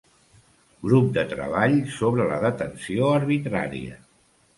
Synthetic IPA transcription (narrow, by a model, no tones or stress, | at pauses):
ɡɾup̚d̪ət̪ɾə̰β̞aʎsoβɾələ̰ðət̪ənsioəɾβit̪ɾa̰ɾḭə̰